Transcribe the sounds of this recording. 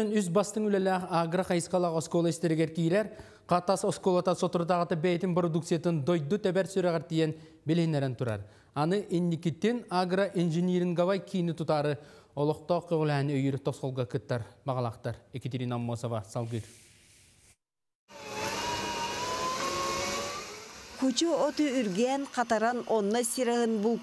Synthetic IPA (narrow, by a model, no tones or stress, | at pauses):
enʏs̬bɑst̪əŋylʲælæaɡɾaqɑjəsqɑlˠɑʁoskolˠest̪eɾɡʲeɾkʲijɾæɾ | qɑt̪ɑsoskolˠat̪ɑsot̪uɾt̪ɑʁɑt̪ɑbæjet̪ɪnprod̪ukt̪sijat̪ɯnd̪ojd̪ut̪æbæɾsøɾeʁɑɾt̪ːejen | belhenːæɾent̪ʰuɾɑ̰ɾ | ɑnɯʔenːikʲit̪ːenaɡraʔinʒeniɾɪŋɡɑvɑjkʲʰijnɪt̪ʰut̪ɑɾɯolˠoq̚t̪oqʰːojʁulʲˠænøjyɾt̪ʰosqolˠɡakɯt̪ːɑɾbɑʁɑlˠɑqt̪ːɑɾeket̪ʲeɾʲinamːosovasɑlˠɡiɾ | kʰut͡ʃuot̪uyɾɡænqʰɑt̪ɑɾɑnonːosʲiɾaɦɯnbu